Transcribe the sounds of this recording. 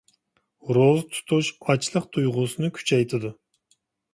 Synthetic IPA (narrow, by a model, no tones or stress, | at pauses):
ɾozt̪ʰu̥t̪ʰuʃɑt͡ʃlˠəqt̪ʰujʁʊsɨnɨkʲʰy̥t͡ʃʰɛjt̪ʰɪd̪u